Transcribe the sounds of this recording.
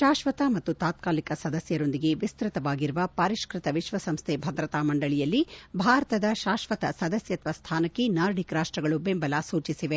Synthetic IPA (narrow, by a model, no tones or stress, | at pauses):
ʃaːʃʋɐt̪ɐmɐt̪ːut̪aːt̪̚kaːlikɐsɐd̪ɐsjɐɾo̞nd̪iɡe̞ʋist̪ɾɪt̪ɐʋaːɡiɾuʋɐpɐɾiʃkɾɪt̪ɐʋiʃʋɐsɐmst̪ʰebʱɐd̪ɾɐt̪aːmɐɳɖɐɭijɐlːibʱaːɾɐt̪ɐd̪ɐʃaːʃʋɐt̪ɐsɐd̪ɐsjɐt̪ʰʋɐst̪ʰaːnɐkːenaːɾɖikɾaːʂʈɾɐɡɐɭubembɐlaːsuːt͡ʃisiʋe